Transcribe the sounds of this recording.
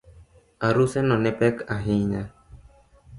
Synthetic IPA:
aɾusɛnɔ̃nepɛkaɦiɲa

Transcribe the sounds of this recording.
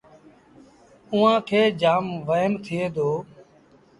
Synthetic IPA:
ʊːãːkʰeːd͡ʒaːmʋəjənt̪ʰɪeːd̪oː

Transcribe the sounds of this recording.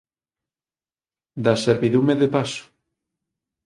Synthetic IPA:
d̪aseɾβiðumeðepasʊ̥

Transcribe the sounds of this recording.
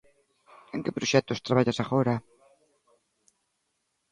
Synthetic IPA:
eŋkɪpɾoʃɛt̪ʊst̪ɾaβaʎasaɣoɾa

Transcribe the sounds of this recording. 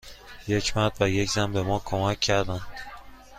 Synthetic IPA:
jecʰmæɾd̪̚væjecʰzæmbemɒːkʰomæcʰːæɾd̪æn

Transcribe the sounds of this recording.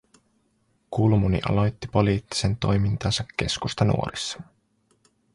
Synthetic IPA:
kulmunḭʔɑ̰lo̞jt̪ːipo̞liːt̪ːi̥se̞nt̪o̞jmint̪ɑːnsɑkːe̞skust̪ɑnṵo̞ɾisːɑ̥

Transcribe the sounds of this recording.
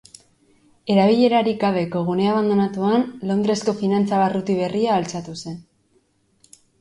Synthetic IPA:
e̞ɾaβ̞iʎe̞ɾaɾiɡaβ̞e̞ko̞ɣ̞uneaβand̪o̞nat̪uanlo̞nd̪ɾe̞sko̞finant͡saβarut̪iβ̞e̞riaːlt͡sat̪use̞n

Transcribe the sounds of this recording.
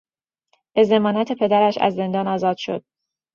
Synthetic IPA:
e̞ze̞mɒːnæt̪ʰe̞pʰe̞d̪æɾæʃæ̰zːe̞nd̪ɒːnɒːzɒːd̪̥ʃo̞̰d̪̥̚

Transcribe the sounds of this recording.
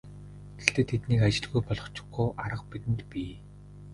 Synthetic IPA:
ɡext̪eːt̪ʰet̪niːkat͡ɕɪ̆ɮɣujpɔɮɞ̆χt͡ɕʰʊ̥̆ɡɡuːʔaɾə̆qpit̪ɘ̆nt̪piː

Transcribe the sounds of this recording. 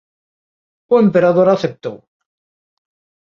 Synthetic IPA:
uempeɾaðoɾaθep̚t̪o̰w

